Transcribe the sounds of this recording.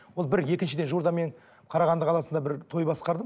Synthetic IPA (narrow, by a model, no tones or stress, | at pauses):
wo̞lˠbɪɾje̞kʲɪnʃɪd̪e̞nʒuɾd̪ɑme̞ɴ | qʰɑɾɑʁɑnd̪əqʰɑlˠɑsənd̪ɑbɪɾt̪ʰo̞jbɑsqɑɾd̪ə